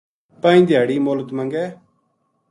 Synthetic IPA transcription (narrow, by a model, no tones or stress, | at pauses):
pãːĩːd̪ɪjaːɽiːmoːləd̪mə̃ŋɡɛː